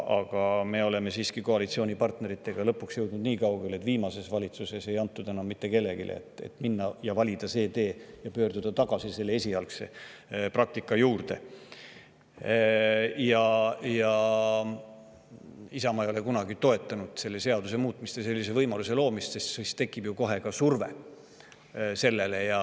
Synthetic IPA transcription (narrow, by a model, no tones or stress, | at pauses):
ɑɡ̥ɑme̞o̞le̞me̞siːskiko̞ɑlit̪sio̞ːnʲipɑrt̪ne̞ɾit̪ːˑe̞ɡ̥ɑlɤpːˑuksjɤ̞wd̪nud̪niːkɑwɡ̥ele̞t̪ːˑviːmɑse̞svɑlʲit̪suse̞se̞jɑnt̪ːud̪e̞nɑmːit̪ːe̞ke̞lːe̞ɡḭlʔḛḛt̪ːˑḛt̪minːɑjɑvɑlʲid̪̥ɑse̞ːd̪e̞ːjɑpø̞ːrd̪ud̪̥ɑt̪ɑɡ̥ɑsise̞lːee̞sʲiɑlkse̞prɑk̚t̪ikːˑɑjuːrd̪̥e̞ | jɑjɑ | isɑmɑejo̞le̞kunɑɡit̪o̞e̞t̪ːˑɑnud̪̥se̞lːe̞se̞ɑd̪use̞muːt̪ˑmist̪jɑse̞lːise̞vɤjmɑluse̞lo̞ːmist̪sest̪sist̪e̞kːˑib̥juko̞ɦe̞kɑsurve̞̰ | se̞lːe̞le̞jɑ